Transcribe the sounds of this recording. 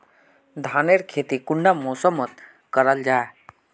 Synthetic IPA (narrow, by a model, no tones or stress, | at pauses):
d̪ʱaːneɾkʰeːt̪ikʊɳɖamoːsəmət̪̚ | kəɾəld͡ʒaːe